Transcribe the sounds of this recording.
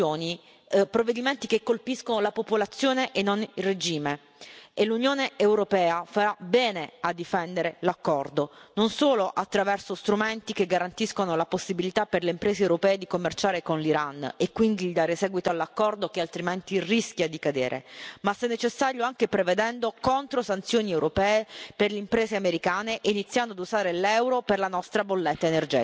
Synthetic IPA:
oːni | pɾovːed̪iment̪ikekːolpiskonolapopolat̪sːjoːneʔenːonilred͡ʒiːme | elːunjoːneewɾopɛːafaɾabɛːnead̪ːifɛnd̪eɾelakːɔrd̪ononsoːloʔat̪ːɾavɛrsost̪ɾument̪ik̟eɡːaɾant̪iskonolaposːibilit̪apːerleimpɾeːzewɾopɛːed̪ikomːert͡ʃaːɾekonliɾanekːwind̪iʎid̪aːɾesɛːɡwit̪oalːakːɔrd̪okealt̪ɾiment̪irisk̟jad̪ikad̪eːɾḛmasɛnːet͡ʃesːaːɾjoaŋkepɾeved̪ɛnd̪okont̪ɾosant̪sjoːniɛwɾʔopɛːeperleimpɾeːzeameɾikaːneʔinit̪sːjand̪oad̪uzaːɾelɛwɾoperlanɔst̪ɾabolːɛt̪ːaenerd͡ʒɛ̰ːt̪

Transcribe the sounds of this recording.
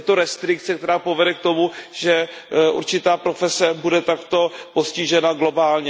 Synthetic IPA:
ɛt̪oɾɛst̪ɾɪk̚t̪t͡sɛkt̪ɛɾaːpovɛdɛk̚t̪o̞muʒ̥ɛ | ʔṵɾt͡ʃɪt̪aːpɾo̞fɛsɛbudɛt̪akt̪o̞po̞sciʒɛnaɡlo̞baːlɲɛ

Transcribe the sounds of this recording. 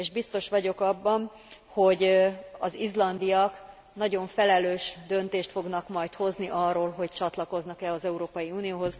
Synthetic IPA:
eːʒbist̪o̞ʃʋɒɟo̞kɒbːɒn | ho̞ɟɒzizlɒnd̪ijɒk | nɒɟo̞ɱfɛlɛløːʃd̪ø̞nt̪eːʃt̪fo̞ɡnɒkmɒjt̪ho̞zniʔɒrːoːlɦo̞ct͡ʃɒt̪lɒko̞znɒkɛlɒzɛuɾoːpɒjiuːnioːɦo̞z

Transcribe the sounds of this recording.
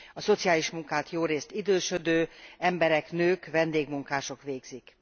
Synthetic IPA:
ɒso̞t̪sijaːliʃmuŋkaːt̪joːɾeːst̪id̪øːʃød̪øːɛmbɛɾɛknøːkvɛnd̪eːɡmuŋkaːʃo̞kʋeːɡzik

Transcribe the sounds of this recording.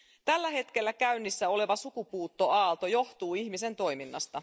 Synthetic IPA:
t̪ælːæhe̞t̪ke̞lːækæynːisːæo̞le̞ʋɑsukupuːt̪ːo̞ɑːlt̪o̞jo̞ht̪uːiçmise̞nt̪o̞jminːɑ̰st̪ɑ

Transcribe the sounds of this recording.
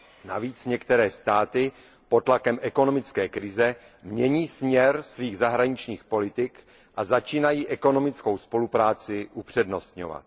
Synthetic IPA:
na̰viːt͡sɲɛkt̪ɛɾɛːst̪aːt̪ɪ | po̞t̪lakɛmʔɛko̞no̞mɪt͡skɛːkɾɪzɛ | mɲɛɲiːsmɲɛɾsviːɣzaɦɾaɲɪt͡ʃɲiːxpo̞lɪt̪ɪk | ʔazat͡ʃiːnajiːʔɛko̞no̞mɪt͡sko̞wspo̞lupɾaːt͡sɪʔupr̝̥ɛdno̞st̪ɲo̞̰va̰t̪̚

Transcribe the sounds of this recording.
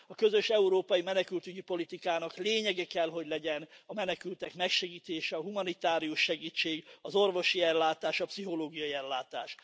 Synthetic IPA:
ɒkø̞zø̞ʃɛuɾoːpɒjimɛnɛkylt̪yɟipo̞lit̪ikaːnɒkleːɲɛɡɛkɛlɦo̞ɟlɛɟɛnɒmɛnɛkylt̪ɛkmɛkʃɛɡiːt̪eːʃɛɒɦumɒnit̪aːɾijuʃːɛɡiːt͡ʃːeːɡɒzo̞rvo̞ʃiɛlːaːt̪aːʃɒpsiɦo̞loːɡijɒiɛlːaːt̪a̰ːʃ

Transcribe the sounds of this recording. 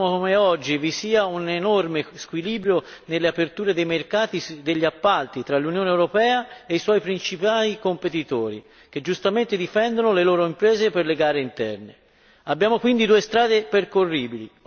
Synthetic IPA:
okomeɔd͡ʒːivisiːaunenormeskwiliːbɾjonelːeapert̪uːɾed̪ejmerkaːt̪id̪eʎːiapːalt̪it̪ɾalːunjoːneewɾopɛːaeiswɔipɾint͡ʃipaːlikompet̪it̪oːɾḭ | k̟ed͡ʒːust̪ament̪ed̪ifɛnd̪onoleloːɾoimpɾɛːzeperleɡaːɾeint̪ɛ̰rne | abːjaːmokwind̪id̪uːest̪ɾaːd̪eperkorːiːbilḭ

